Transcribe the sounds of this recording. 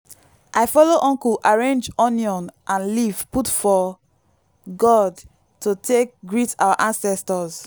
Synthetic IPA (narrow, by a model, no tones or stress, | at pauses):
ʔaɪfɔloʔɔ̃ŋkuʔaɹẽnd͡ʒɔnjɔ̃nʔãnlivputfɔ | ɡɔd | totʰek̚ɡɹita̰waʔãnsɛstɔz